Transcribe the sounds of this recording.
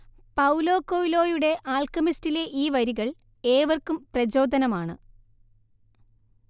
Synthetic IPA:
pɐwlo̞ːkːojilo̞ːjuɽe̞ʔaːlkɐmistile̞ʔiːʋɐɾiɣɐɭ | eːʋɐrkumprɐd͡ʑo̞ːd̪ʱɐnɐmaːɳɨ̰

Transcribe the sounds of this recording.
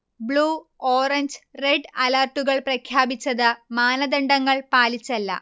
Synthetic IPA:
bɭuːoːrɐɲd͡ʑreɖɐlarʈːuɣɐɭprɐkʰjaːbit͡ɕːɐðɨmaːnɐd̪ɐɳɖɐŋːɐɭpaːlit͡ɕːɐlːɐ̰

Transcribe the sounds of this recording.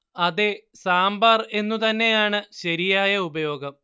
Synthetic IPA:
ɐðesaːmbaːre̞nːut̪ɐnːe̞jaːɳɨɕɐɾijaːjɐubɐjo̞ːɡɐm

